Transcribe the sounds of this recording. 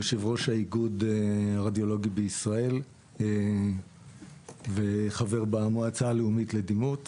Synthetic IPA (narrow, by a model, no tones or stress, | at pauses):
oʃevʁo̞ʃhaiɡudaʁad̪ijo̞lo̞ɡibeisʁae̞l | veχave̞ʁbamoat͡saːleumitled̪imut